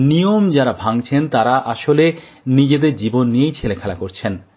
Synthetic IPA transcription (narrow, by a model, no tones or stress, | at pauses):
nijomd͡ʑaɾabʱaŋt͡ɕʰent̪aɾaʔaʃole | nid͡ʑed̪eɾd͡ʑibonːijejt͡ɕʰelekʰɛlakoɾt͡ɕʰen